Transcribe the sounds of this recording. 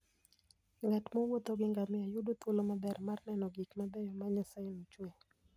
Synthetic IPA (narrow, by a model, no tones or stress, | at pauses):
ŋɡatmɔwot̪oɡɪŋɡamɪajʊdot̪olomabɛrmarnɛnɔɡikmabejɔmaɲasaɪnot͡ʃwe